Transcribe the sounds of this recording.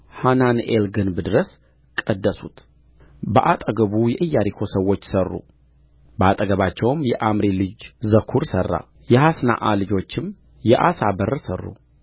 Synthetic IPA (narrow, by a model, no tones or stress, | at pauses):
hananḛlɡɨnbɨd̪ɨɾəs | kʼəd̪ːəsut̪ | bəʔat̪ʼəɡəβujɛʔɨjːaɾikʰo̞səwːo̞t͡ʃːsərːṵ | bəat̪ʼəɡəβat͡ʃːɛwmjɛʔamɾilɨd͡ʒzəkʰuɾsərːa̰ | jɛhasna̰ʔalɨd͡ʒo̞t͡ʃːɪm | jɛʔasabərsərːṵ